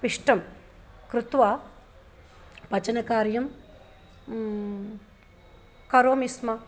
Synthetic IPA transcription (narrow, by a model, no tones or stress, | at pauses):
piʂʈɐm | kɾut̪ʋaː | pɐt͡ʃɐnɐkaːɾjɐm | kɐɾoːmismɐ